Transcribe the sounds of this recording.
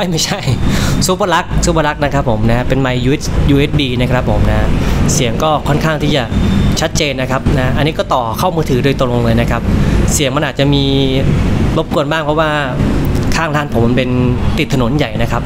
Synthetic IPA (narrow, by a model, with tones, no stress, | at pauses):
a˥˩jma˥˩jt͡ɕʰa˥˩jsuː˨˦˥pa˧la˦˥k̚suː˨˦˥pa˧la˦˥k̚na˦˥kʰɾa˦˥pʰːo˩˦mna˦˥pe˧nma˧jːuː˧e˦˥juː˧ʔeː˦˥t̪̚biː˧na˦˥kʰɾa˦˥pʰːo̰˨˩˦mna˦˥si˨˩˦əŋkɔː˥˩kʰɔ˥˩nkʰaː˥˩ŋt̪ʰiː˥˩t͡ɕa˨˩t͡ɕʰa˦˥t̪̚t͡ɕeː˧nːa˦˥kʰa˦˥p̚na˦˥ʔa˧nːiː˦˥kɔː˥˩t̪ɔː˨˩kʰa˥˩wmɯː˧t̪ʰɯː˩˦doː˧jt̪ŋlo˧ŋlɤː˧jna˦˥kʰa˦˥p̚si˨˩əŋma˧nʔaː˨˩t͡ɕa˨˩miː˧ | lo˦˥p̚ku˧ənbaː˥˩ŋpʰɔ˦˥waː˥˩ | kʰaː˥˩ŋlaː˥˩npʰo˩˦ma˧npe˧nt̪i˨˩t̪ʰːa˧no˩˦nja˨˩jna˦˥kʰɾa˦˥p̚